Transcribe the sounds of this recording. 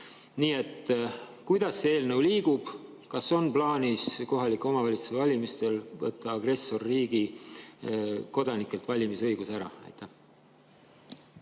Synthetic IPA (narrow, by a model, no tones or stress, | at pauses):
niːe̞t̪ːkujd̪̥ɑsːeeːlneuwliːɡ̥ub̥ | kɑso̞nplɑːnʲisko̞ɦɑliko̞mɑvɑlʲit̪t͡susevɑlʲimist̪e̞lvɤt̪ːˑɑːɡ̥re̞sːo̞rːiːɡ̥i | ko̞d̪ɑnikːˑe̞lt̪vɑlʲimisɤ̞jɡ̥usæɾɑ̰ɑ̰jt̪ːˑæ